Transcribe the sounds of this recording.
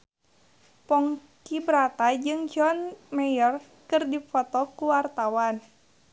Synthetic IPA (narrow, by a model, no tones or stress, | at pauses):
pɔŋ | kibɾat̪ad͡ʒɨŋd͡ʒɔnmɛjɔr | kɨrdifɔt̪ɔkuwart̪awan